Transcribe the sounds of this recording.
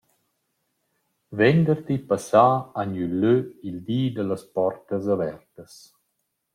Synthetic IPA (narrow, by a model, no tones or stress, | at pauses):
vɛnd̪əɾt̪ipasaːanylːøild̪iːd̪ələspɔrt̪əzavɛrt̪əs